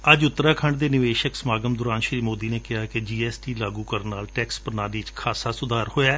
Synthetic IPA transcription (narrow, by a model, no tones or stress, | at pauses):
əd͡ʒʊt̪ːəɾaːkʰəɳɖd̪eːnɪʋeːʃəksmaːɡəmd̪ʊɾaːnʃɾiːmoːd̪iːneːkɪɦaːked͡ʒiːɛːsʈiːlaːɡuːkəɾənaːlʈɛːkspəɾnaːniːt͡ʃkʰaːsaːsʊd̪ʱaːɾhoːjaː